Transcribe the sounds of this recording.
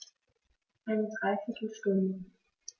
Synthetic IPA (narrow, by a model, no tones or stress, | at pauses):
ʔaɪnədʁaɪfɪtʰl̩ʃtʊndə